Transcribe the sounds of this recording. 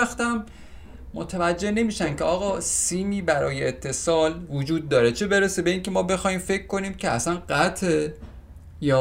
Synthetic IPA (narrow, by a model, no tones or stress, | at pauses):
æxt̪æmː | o̰t̪ʰævæd͡ʒːe̞hne̞miːʃæncʰeɒːɣɒːsiːmiːbæɾɒ̰ːjeːt̪ʰːe̞sɒːlvod͡ʒuːd̪̚ːɒːɾet͡ʃʰebe̞ɾesebe̞iːŋcʰe̞mɒːbe̞xɒːhiːmfe̞kʰːo̞niːmcʰeæ̰sænɢæt̪ʰe | jɒː